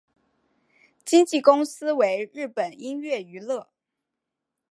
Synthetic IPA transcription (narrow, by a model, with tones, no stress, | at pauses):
t͡ɕi˥ŋt͡ɕi˥˩kʊ˥ŋsɹ̩˥we˧˥ɪɻɻ̩˥˩pə˨˩ni˥nɥɛ˥˩y˧˥lɤ˥˩